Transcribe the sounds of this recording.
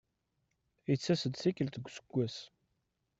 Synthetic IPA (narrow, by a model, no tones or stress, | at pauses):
ijt͡sːæsəd̪θikːəlt̪əɡʷːsə̥ɡ̥ʷːæs